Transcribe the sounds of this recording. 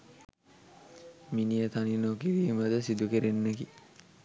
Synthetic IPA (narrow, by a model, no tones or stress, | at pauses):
minijət̪aninokiɾiːməd̪əsid̪ukeɾenːeki